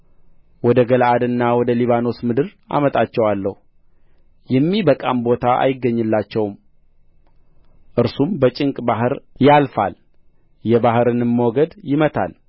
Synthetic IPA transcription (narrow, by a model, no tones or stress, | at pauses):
wɔd̪əɡəlʔad̪ɨnːawɔd̪əliβano̞smɨd̪ɨɾʔa̰mət̪ʼat͡ʃːɛwalːəhu | jɛmːibəkʼambo̞t̪ʰaʔa̰jɪɡːəɲːɨlːat͡ʃːɛwm | ʔɨɾsumbət͡ʃʼɪŋkʼbaɦɨɾjalfa̰l | jɛbahɨɾɨnɨmːwoɡəd̪jɪmət̪ʰa̰l